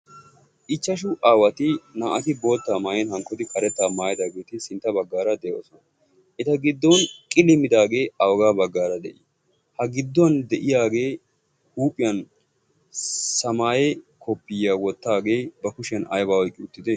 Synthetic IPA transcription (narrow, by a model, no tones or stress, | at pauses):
ʔɪt͡ʃːɐʃ̬ʊʔaːwɐt̪ɪnaːʔɐt̪ɪbo̞ːt̪ːaːmaːjɛnhɐŋkːɔd̪ɪkɐɾɛt̪ːaːmaːjɐd̪aːɡeːt̪ɪsɪnt̪ːɐbɐɡːaːɾɐd̪ɛjo̰ːsɔnɐ | ʔɪt̪ɐɡɪd̪ːɔnkʼɪlɪmɪd̪aːɡe̞ːɐwɔɡaːbɐɡːaːɾɐd̪ɛʔɪ | hɐɡɪd̪ːɔɐnd̪ɛʔɪjaːɡeː | huːpʼɪjɐn | sɐmaːjɛkʰɔpːɪjːaːwɔt̪ːaːɡe̞ːbɐkʊʃɪjɐnɐ̰jbaːwɔjkʼːɪʊt̪ːɪd̪ɛ